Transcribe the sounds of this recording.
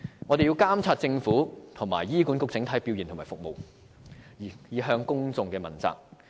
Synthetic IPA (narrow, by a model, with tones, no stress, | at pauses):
ŋɔː˨˧te˨jiː˧wkaː˥mt͡sʰaː˧t̚t͡sɪ˧ŋfuː˨˥t̪ʰʊ˨˩ŋmaː˨˩jjiː˥kuː˨˥nkʊ˨k̚t͡sɪ˨˥ŋt̪ʰɐ˨˥jpiː˧wji˨nt̪ʰŋmaː˨˩fʊ˨k̚mo˨w | jiː˨˧ɦœː˧ŋkʊ˥ŋt͡sʊ˨˧ŋkɛː˧mɐ˨˩nt͡sa̰ː˨k̚